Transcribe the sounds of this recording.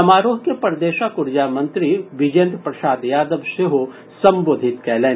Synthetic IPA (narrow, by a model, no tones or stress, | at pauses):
ɐmaːɾoːɦkepɐɾd̪eːʃakʊɾd͡ʒaːmɐ̃nt̪ɾiʋɪd͡ʒẽnd̪pɾɐsaːd̪jaːd̪əʋʃeɦo | sɐ̃mboːd̪ʱɪt̪kɛːlẽː